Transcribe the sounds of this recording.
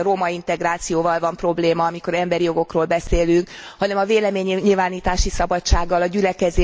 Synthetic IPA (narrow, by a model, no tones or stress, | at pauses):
romɒint̪ɛɡraːt̪sijoːvɒlvɒmpro̞bleːmɒɒmiko̞ɾɛmbɛɾijo̞ɡo̞kroːlbɛseːlyŋk | hɒnɛmɒveːlɛmeːɲiɲilvaːniːt̪aːʃisɒbɒt͡ʃːaːɡːɒlɒɟylɛkɛzeː